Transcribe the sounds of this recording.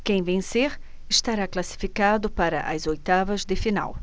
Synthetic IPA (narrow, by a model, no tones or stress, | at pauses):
kẽj̃vẽseɾ | ɪʃt̪aɾaklasi̥fikad̪ʊpaɾɐʔɐzojt̪avɐzd̪ɪfina̰w